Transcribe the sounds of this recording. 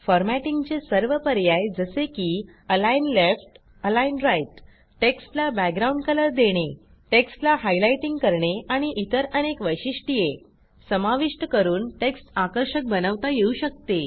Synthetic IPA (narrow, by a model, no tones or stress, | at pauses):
fɔɾmæʈiŋɡt͡ɕesəɾʋəpəɾjajd͡zəsekiː | əlajinlefʈ | əlainɾajʈ | ʈeksʈlabæɡɾauɳɖkələɾd̪eɽ̃e | ʈeksʈlaɦajlajʈiŋɡkəɾɳeaɽ̃iʔit̪əɾənekʋəjɕiʂʈije | səmaʋiʂʈəkəɾuːnʈeksʈakəɾɕək̚bənəʋt̪ajeuɕək̚t̪e